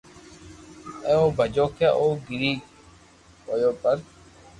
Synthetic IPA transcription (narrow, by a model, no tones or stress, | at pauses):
eoːbʱəd͡ʒoːkʰaːʔoːɡɪɾiː | oːjoːpəɾ